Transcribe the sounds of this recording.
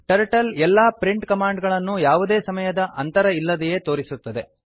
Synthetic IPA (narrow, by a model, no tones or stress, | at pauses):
ʈɐɾʈɐlɛlːaːpɾiɳʈkɐmaːɳɖɡɐɭɐnːujaːʋud̪e̞ːsɐmɐjɐd̪ɐʔɐnt̪ɐɾɐilːɐd̪ɛje̞ːt̪o̞ːɾisut̪ːɐd̪e̞